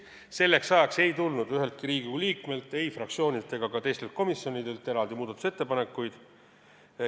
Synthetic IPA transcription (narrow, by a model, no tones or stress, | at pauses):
se̞lːe̞ksːɑekse̞jt̪ulnud̪̥yɦe̞lt̪̚kiɾiːɡiliːkme̞lt̪ːˑe̞jfrɑk̚tsio̞ːnʲit̪ˑe̞ɡ̥ɑkɑt̪e̞jst̪e̞lt̪̚ko̞misːjo̞nid̪e̞lt̪ːˑe̞ɾɑld̪̥imuːd̪ɑt̪ːuse̞t̪ːe̞pɑne̞kːˑujd̪̥